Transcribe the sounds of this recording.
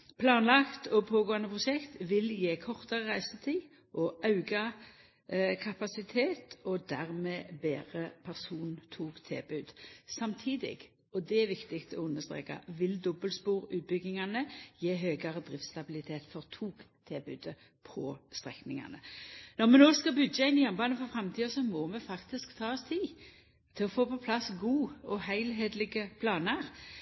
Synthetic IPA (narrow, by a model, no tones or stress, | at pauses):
pʰlɑːnlɑkt̪ɔpʰoːɡoːənəpʰʁʊʃɛkt̪ʋɪljeːkʰɔʁt̪ɑʁəʁæɪsət̪ʰiː | ʔɔʔɑʉɡɑ | kʰɑpɑsɪt̪ʰeːt̪ʰɔd̪æʁmɛːbeːʁəpʰæʁsuːnnt̪ʰuːkt̪ʰḛːbʉːd̪sɑmt̪ʰiːd̪ɪ̰ɡ̥ | ɔd̪ɛæʋɪkt̪ɪkt̪ɔʊnːəʁst̪ʁḛːka̰ʋɪld̪ɔbəlspuːʁʉːt̪̚bʏɡɪŋɑnəjeːɦøːɡɑʁəd̪ʁɪft̪st̪ɑbɪlɪt̪ʰeːt̪fɔʁt̪ʰuːkt̪ʰebʉːd̪ə | pʰɔst̪ʁɛknɪŋɑ̰nənɔʁmɛnoːskɑbʉd̪d͡ʒəɪnɪjɔmbɑːnəfɔfʁɛmt̪ʰiːəsɔmɔmɛfɑkt̪ɪskt̪ʰɑːɔst̪ʰiː | t̪ʰɪlɔfoːpɔpʰlɑsɡuːɔhæɪlɦeːd̪lɪɡəpʰlɑːnəʁ